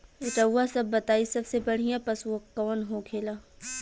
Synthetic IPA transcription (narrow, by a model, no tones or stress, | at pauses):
ɪʈəwːasɐbːɐt̪aːisɐbsebɐɽ̤ijãpɐswokɐːnɦokʰeːlaː